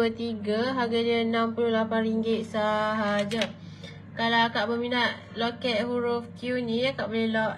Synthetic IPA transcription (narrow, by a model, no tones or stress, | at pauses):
ət̪iɡaɦaɡaɲəənãmpululapanriŋɡɪt̪̚saɦad͡ʒa | kalakaʔbəminaʔ | lokɛt̪̚huɾofkjunĩjakaʔbolɛlɔʔ